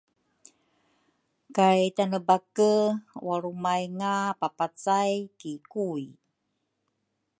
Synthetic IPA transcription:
kajtanəbakəwaɾumajŋapapat͡sajkikui

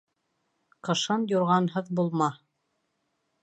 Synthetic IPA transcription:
qɤ̆ʃɤnjŏɾʁɑnɦɤðbulˠmɑ

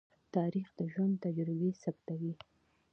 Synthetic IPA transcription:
t̪ɑɾixd̪əʒwand̪t̪ad͡ʒɾɪbesabt̪awi

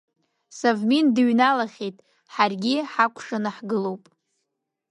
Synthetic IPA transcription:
savmindɨɥnalaχʲejtʼ | ħarɡʲiħakʷʰʂanɨħɡɨlo̞wpʼ

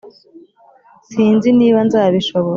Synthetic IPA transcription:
siːnziniːβanzaːβiʃoβo

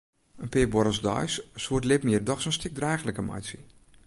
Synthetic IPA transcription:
ənpɪːbɔɾəsdɔ̰jssuətlɪpmiərdɔxsoːnstɪk̚draːxləkəma̰jsə

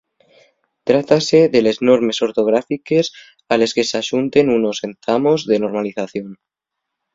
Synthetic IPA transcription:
t̪ɾat̪ase̞ðe̞le̞zno̞ɾme̞so̞ɾt̪o̞ɣ̞ɾafike̞s | ale̞ske̞saʃunt̪e̞nuno̞se̞nθamo̞zðeno̞ɾmaliθaθjo̞n

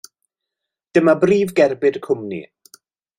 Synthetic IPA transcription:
d̥əmabriːvɡɛrbɪdkʰʊmnḭ

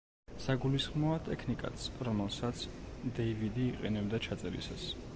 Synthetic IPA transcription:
saɡulisχmɔat̪ʼɛkʰnikʼa̰t̪sʰɾɔmɛlˠsat̪sʰd̪ɛivid̪iːqʼɛnɛbd̪at͡ʃʰat̪sʼɛɾḭsas

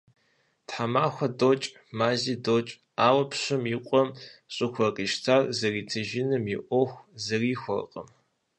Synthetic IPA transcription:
tħamaːxʷɐdot͡ʃʼ | maːziːdoːt͡ʃʼ | aːwɐpɕɨmjiqʷʼɔmɕʼɨxʷɐqʼiːʃtʰarzɐriːtʰɐʒɪnɨmjɪʔʷɔxʷzɐriːxʷɔ̰rqʼə̰m

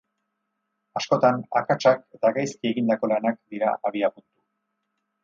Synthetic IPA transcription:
asko̞t̪ana̰kat͡ʃake̞t̪aɣajskie̞ɣind̪ako̞lanak̚d̪iɾa̰ʔaβiapunt̪u̥

